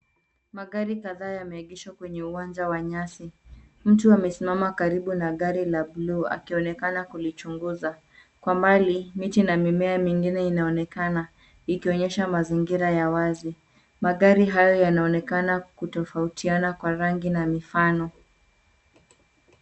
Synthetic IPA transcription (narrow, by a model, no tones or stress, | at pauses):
maɠaɾikaðaːjamɛiɠiʃakwɛɲɛuwand͡ʒawaɲasim̩tuamɛsimamakaɾiɓunaɠaɾilablua̰kiɔnɛkanakulit͡ʃuŋɡuza | kwambalimitinamimɛamiŋɡinɛinaɔnɛkana | ikiɔɲɛʃamaziŋɡiɾajawazi | maɠaɾiɦajɔjanaɔnɛkanakutɔfautianakwaɾaŋɡinamifanɔ